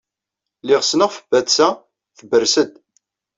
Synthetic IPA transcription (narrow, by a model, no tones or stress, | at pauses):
lɪʁsnəʁfəbætt͡sæ | θəbərsəd̪